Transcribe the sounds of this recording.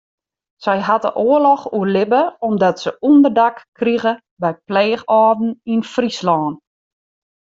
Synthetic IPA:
sɛjɦatə̰ʔoːəlɔxuərlɪbəɔmdɔtsəundərdakː | riɣə | bɛjpleːxɔːdn̩infrislɔːn

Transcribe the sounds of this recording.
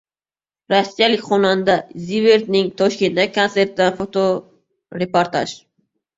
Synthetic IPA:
ɾosːijalɪkʲχʰɒnand̪aziveɾd̪nɪŋt̪ʰɒʃkʲe̞nt̪ːakʰonse̞ɾt̪ɪd̪anfot̪ʰo | ɾe̞poɾt̪ʰa̰ʃ

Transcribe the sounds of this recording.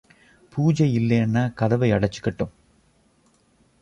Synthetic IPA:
puːd͡ʑɐjilːenːakɐðɐʋɐɪjɐɽɐt͡ɕːu̥kːeʈːum

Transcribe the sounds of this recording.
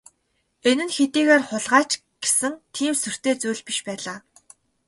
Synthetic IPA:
enɘ̆nxet̪iːɣeːrχʊɮʁaːt͡ɕ | ɡ̥e̥sɘ̆ŋt̪ʰiːmsɵr̥t̪eːt͡sujɮpiʃpæːɮaː

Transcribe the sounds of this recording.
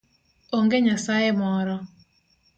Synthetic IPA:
oŋɡeɲasajemɔɾɔ

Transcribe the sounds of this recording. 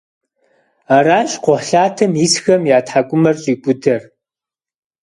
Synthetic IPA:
aːɾaːɕʼqʷʊħɬaːtʰɐmjisxɐmjaːtħakʷʼʊmɐrɕʼiːkʷʼʊdɐr

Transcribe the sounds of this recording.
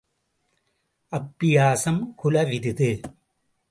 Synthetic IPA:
ʔɐpːɪjaːsɐmkʊlɐʋɪðɯðɯ

